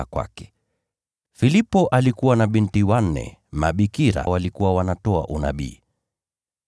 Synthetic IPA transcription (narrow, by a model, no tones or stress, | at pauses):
akwa̰kɛ̥ | filipɔʔalikuwanaɓintiwan̩ːɛ̰maɓikiɾa̰walikuwawanatɔa̰ʔuna̰ɓḭː